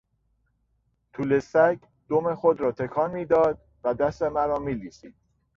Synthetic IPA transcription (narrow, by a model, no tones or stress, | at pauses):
t̪ʰuːlesæɡ | d̪̥omexod̪ɾɒːt̪ʰe̞kʰɒːnmiːd̪ɒːd̪̚ | væd̪æst̪e̞mæɾɒːmiːliːsiːd̪̥̚